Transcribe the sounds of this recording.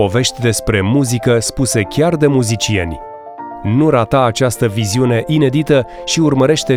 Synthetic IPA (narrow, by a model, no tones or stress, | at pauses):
o̞ve̞ʃt̪ʲd̪e̞spɾe̞muzikəspuse̞kʲard̪e̞muzit͡ʃie̞̰nʲ | nuɾat̪aːt͡ʃast̪əviziune̞ʔine̞d̪it̪ə | ʃiurməɾe̞ʃt̪e̞